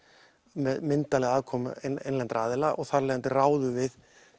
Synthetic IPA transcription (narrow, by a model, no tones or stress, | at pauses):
mɛðmɪnt̪alɛɣaːðkʰɔːmnejnlɛnt̪ɾaːðɪlaʔɔɣθaɾlɛːɣant̪ɪraːwðʏvɪð